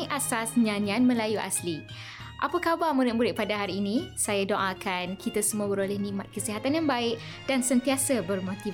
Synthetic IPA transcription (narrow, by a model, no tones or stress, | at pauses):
ʔasasɲanianmə̃lajuʔa̰sli | ʔa̰pakabamuɾɪt̪̚muɾɪt̪̚padaɦaɾiːnĩsajadoʔãkʰankit̪asəmuəbəɾolɛhnĩmat̪̚kəsiɦat̪anjaŋbaɪʔ | d̥ansənt̪iasabərmot̪i